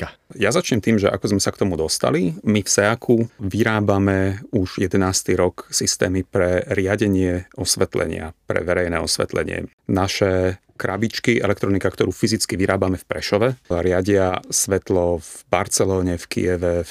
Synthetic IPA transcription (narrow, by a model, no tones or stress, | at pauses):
jazat͡ʃɲɛmt̪iːmʒɛʔa̰kɔzmɛsakt̪ɔmud̪ɔst̪a̰limifsɛakʰuʋiɾaːbamɛuʒjɛd̪ɛnaːst̪iɾɔksist̪ɛ̰ːmipɾɛɾɪaɟɛɲɪɛɔsʋɛt̪lɛ̰ɲɪa̰pɾɛ̰ʋɛɾɛjnɛːɔsʋɛ̰t̪lɛ̰ɲɪɛ̰ | naʃɛ | kɾabit͡ʃkiʔɛ̰lɛk̚t̪ɾɔnikakt̪ɔɾuːfizit͡skiʋiɾaːbamɛfpɾɛʃɔʋɛɾɪaɟɪasʋɛt̪lɔvbaɾt͡sɛlɔːɲɛfkḭjɛʋɛ